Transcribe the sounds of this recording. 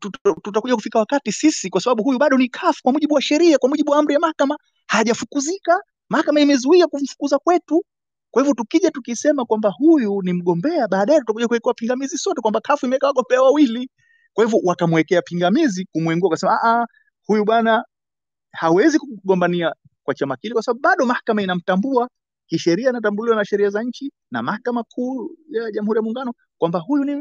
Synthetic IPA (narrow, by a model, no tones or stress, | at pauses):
tututakuʄakufikawakatisisikwasaɓaɓuɦujuɓaɗɔnikʰafu̥kwamuʄiɓuwaʃɛɾiakwamuʄiɓuwaam̩ɾijamahakama | haːʄafukuzika | mahakamaimɛzuiakum̩fu̥kuzakwɛtu | kwahivjɔtukiʄatukisɛmakwambahujunim̩ɠɔmbɛaɓaːɗajɛtutakuʄakuwɛkɛwapiŋɡamizisɔtɛkwambakʰafuimɛɛkawaɠɔmbɛawawili | kwahivɔwakamwɛkɛapiŋɡamizikumwɛŋɡuakasɛmaaʔa | hujuɓwana | hawɛzikuɠɔmbania | kwat͡ʃamakilikwasaɓaɓuɓaɗɔmahkamainam̩tambua | kiʃɛɾiainatambuliwanaʃɛɾiazaɲ̩t͡ʃi | na̰mahakamakʰuːjaʄamuhuɾijamuːŋɡanɔ | kwambahujuni